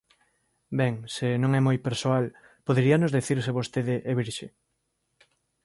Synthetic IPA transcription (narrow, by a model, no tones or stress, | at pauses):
bɛŋsenõŋɛmojpeɾsoal | poðeɾianʊzðeθiɾseβost̪eðɪʔːβiɾʃe